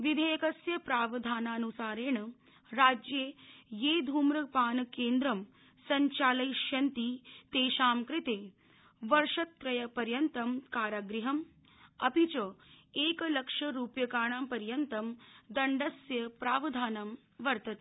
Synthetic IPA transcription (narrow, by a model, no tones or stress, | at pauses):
ʋid̪ʱejɐkɐsjɐpɾaːʋɐd̪ʱaːnaːnusaːɾeːɳɐ | ɾaːd͡ʒjejeːd̪ʱuːmɾɐpaːnɐkeːnd̪ɾɐm | sɐɲt͡ʃaːlɐjʃjɐnt̪it̪eːʃaːmkɾit̪eː | ʋɐɾʂɐt̪ːɾɐjɐpɐɾjɐnt̪ɐmkaːɾaɡɾiɦɐm | ɐpit͡ʃɐeːkɐlɐkʂɐɾuːpjɐkaːɳaːmpɐɾjɐnt̪ɐmd̪ɐɳɖɐsjɐpɾaːʋɐd̪ʱaːnɐm | ʋɐɾt̪ɐt̪ː